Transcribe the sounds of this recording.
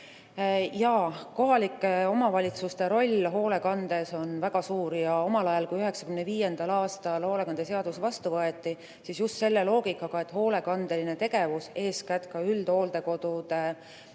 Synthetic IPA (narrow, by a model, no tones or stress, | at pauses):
jɑko̞ɦɑlikːˑeo̞mɑvɑlʲit̪sust̪e̞ɾo̞lʲɦo̞ːle̞kɑnd̪̥e̞so̞nvæɡ̥ɑsuːɾjɑo̞mɑlɑjɑlkujyɦe̞ksɑ̥kymneviːje̞nd̪̥ɑlɑːst̪ɑlhoːlekɑnd̪̥e̞se̞ɑd̪̥usvɑst̪uvɤet̪ˑːi | sisjust̪se̞lːe̞lo̞ːɡ̥ikːˑɑɡ̥ɑe̞t̪ho̞ːle̞kɑnd̪̥e̞line̞t̪e̞ɡe̞vuse̞ːskæt̪kɑyld̪̥o̞ːld̪e̞ko̞d̪̥ut̪e